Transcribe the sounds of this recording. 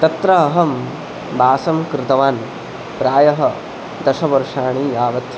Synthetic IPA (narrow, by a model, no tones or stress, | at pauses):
t̪ɐt̪ɾɐːɦɐm | bʱaːsɐmkɾɪt̪ɐʋaːn | pɾaːjɐɦɐ̆ | d̪ɐʃɐbɐɾʂaːɳ̃iaːʋɐt̪